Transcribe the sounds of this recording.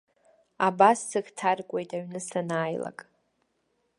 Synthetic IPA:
abasːɨɡtʰarkʷʼe̞jtʼaɥnɨsanaːjla̰kʼ

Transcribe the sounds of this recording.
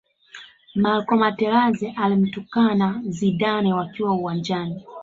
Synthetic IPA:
malkɔmatɛɾazɛʔalim̩tukanaziɗanɛwakiwauwaɲd͡ʒani

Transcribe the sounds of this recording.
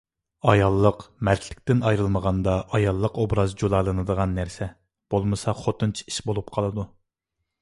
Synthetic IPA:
ɑjɑlˠːəqmɛt̪ʰʲlɪk̚ʲt̪ɪnɑjɾɨlˠməʁɑnd̪ɑʔɑjɑlˠːəqobɾɑzd͡ʒolˠɑlˠɨnɨd̪əʁɑnːæɾsɛ | b̥olˠmɨsɑχot̪ʰunt͡ʃʰi̥i̥ʃbolˠup̚qʰɑlˠɨd̪u

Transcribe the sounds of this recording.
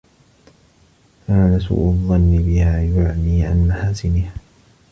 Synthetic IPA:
kaːnasṵːʔʊðˤːɑnːɪbɪhaːjʊʕniːʕa̰nmaħaːsɪnɪh

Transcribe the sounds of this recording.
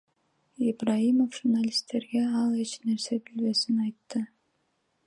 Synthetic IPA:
ibraimofʒurnalʲist̪ʰːe̞ɾɡe̞ɑlˠe̞t͡ʃne̞ɾse̞bilβe̞sinɑjt̪ːɯ

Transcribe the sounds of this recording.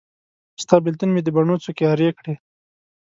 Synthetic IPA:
st̪ɑbɪlt̪ʊnmed̪əbaɳot͡sokeɑɾjekɽe

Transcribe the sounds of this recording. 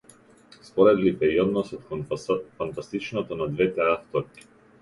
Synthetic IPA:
spɔɾɛd̪lipɛiɔd̪nɔsɔt̪kfant̪ast̪it͡ʃnɔt̪ɔnad̪vɛt̪ɛaft̪ɔɾkʲi̥

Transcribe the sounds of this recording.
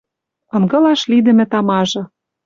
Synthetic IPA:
ɤ̆ŋɡɤ̆lɑʃlid̪ɘ̆mɘ̆t̪ɑmɑʒɤ̆

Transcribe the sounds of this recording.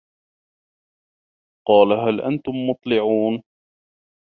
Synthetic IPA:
qɑːlaɦalʔa̰nt̪ʊmːʊt̪ˤlɪʕuːn

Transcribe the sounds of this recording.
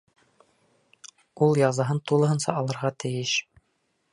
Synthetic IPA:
ulˠjɑzɑɦɤnt̪ulˠɤ̆ɦɤ̆nsɑ̰ɑlˠɤ̆ɾʁɑt̪ɘ̆jɘʃ

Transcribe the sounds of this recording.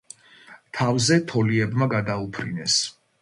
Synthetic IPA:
t̪ʰavzɛt̪ʰɔliɛbmaɡad̪aupʰɾḭnɛs

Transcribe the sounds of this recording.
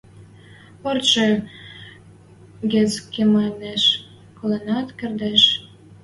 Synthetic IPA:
orʃe | ɡet͡skːemɑneʃ | kolenɑt̪kʲerd̪eʃ

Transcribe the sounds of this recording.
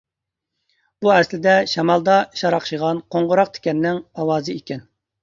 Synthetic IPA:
buɛslɪd̪ɛʃɑmɑlˠd̪ɑʃɑɾɑqʃiʁɑnqʰoɴʁʊɾɑq̚t̪ʰe̥kʲɛnːɪŋɑwɑːzɨikʲɛn

